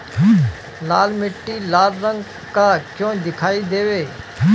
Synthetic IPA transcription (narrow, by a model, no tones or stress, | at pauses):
laːlmɪʈːiːlaːlɾə̃ŋɡ | kaːt͡ʃõːd̪ɪkʰaːiːd̪eːʋeː